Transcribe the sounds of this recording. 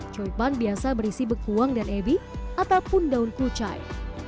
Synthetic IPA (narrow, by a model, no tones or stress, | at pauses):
t͡ʃɔipanbiasabəɾisibəkuwaŋdanebiʔat̪awpundaunkut͡ʃa̰j